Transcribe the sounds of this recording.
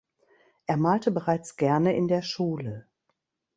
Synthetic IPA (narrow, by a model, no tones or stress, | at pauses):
ʔeːɐmaːltəbəʁaɪt͡sɡ̥ɛɐnəʔɪndeːɐʃuːlə